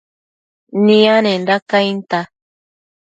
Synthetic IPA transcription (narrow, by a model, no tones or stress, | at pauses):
nĩanẽndakajnt̪a